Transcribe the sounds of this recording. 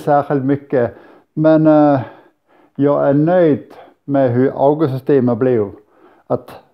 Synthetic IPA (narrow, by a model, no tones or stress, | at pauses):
sæːʃɪlt̪mʏkːə | mɛn | jɑɪʔænœʏd̪ | mɛɦʉʔɑ̰ʊɡəsʏst̪eːməblɪjʊ | ʔɑt̪